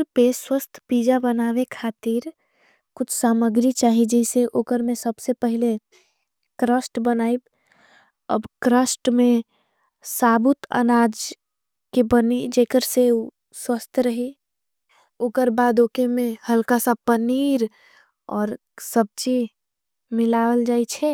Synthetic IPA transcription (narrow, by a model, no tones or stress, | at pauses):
ɾpeswəst̪ʰpiːd͡ʒabənaːwekʰaːt̪iɾ | kʊt͡ʃʰsaːməɡɾit͡ʃaːɦid͡ʒɛseʔoːkəɾmẽsəbsepəɦɪle | kɾəsʈbənaːib | ə̰bkɾəsʈmẽ | saːbʊt̪ʰə̰naːd͡ʒ | kebənid͡ʒekəɾseu | swəst̪ʰɾəɦi | oːkəɾbaːd̪oːkemẽhəlkasapəniːɾ | ɔːɾ | səb̚t͡ʃi | mɪlaːʋəld͡ʒaːit͡ʃʰɛ